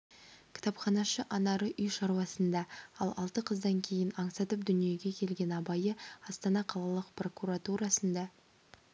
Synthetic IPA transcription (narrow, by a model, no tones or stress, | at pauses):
kʲʰɪ̥t̪ɑpχɑnɑʃəʔɑnɑɾəʔʏjʃɑɾwɑsənd̪ɑɑlˠɑ̰lˠt̪əqʰəzd̪ɑŋkʲʰe̞jɪnɑɴsɑt̪əpd̪ʏnije̞ɡʲe̞kʲʰe̞lɡʲe̞nɑbɑjəɑst̪ɑnɑqʰɑlˠɑlˠəqpro̞kuɾat̪uɾɑsənd̪ɑ